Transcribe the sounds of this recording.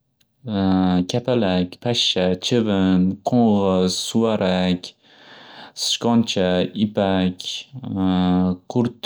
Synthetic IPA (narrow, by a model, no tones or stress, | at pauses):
kʲʰapʰalakʲpʰaʃːat͡ʃʰɪvɪnqʰoɴʁɨz̥sʊwaɾʔakʲ | sɪ̥ʃkɒnt͡ʃʰaɪpakʲ | qʰʊɾt̪